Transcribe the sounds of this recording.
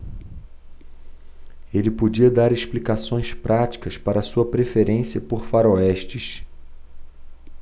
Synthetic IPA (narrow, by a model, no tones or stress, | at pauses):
elɪpod͡ʒiɐd̪aɾeʃplikasõj̃spɾʔat͡ʃi̥kɐspaɾɐːsuɐpɾefeɾẽsiɐpoɾfaɾoɛʃt͡ʃiʃ